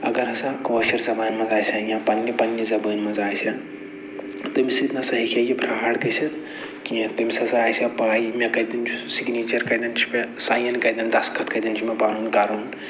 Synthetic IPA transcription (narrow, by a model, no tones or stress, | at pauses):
ɐ̰ɡɐɾɐsãkoːʃɐɾzɐbaːnmɐ̃nzaːjsɐjãpɐnːipɐnjizɐbəːnmɐzaːjsʰɐ | t̪ɐmisit̪nɐsɐɦikʰejibɾɐɦaːɽkɐsʰɐt̪ | kĩt̪imʲsɐsɐaːjsɐpaːjimekɐd̪int͡ʃʰusiɡniːt͡ʃɐɾkɐjd̪ɐnt͡ʃʰi̥mesaːjɐnkɐjd̪ɐnd̪ɐskʰɐt̪̚ʰkɐjd̪int͡ʃʰimepaːɾuːnkaːɾuːn